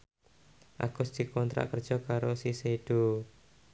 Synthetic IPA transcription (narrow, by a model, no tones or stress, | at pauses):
ʔa̰ɡ̥ʊsd̪̥ikɔnt̪ɾa̰ʔkərd̥ʒ̥ɔkaɾosiseɖ̥o